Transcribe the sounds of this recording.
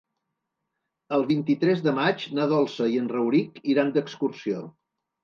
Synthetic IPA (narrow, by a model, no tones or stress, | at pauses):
əlˠβint̪it̪ɾɛzðəmat͡ʃnaðɔlˠsəiənrəwɾikiɾand̪əkskursio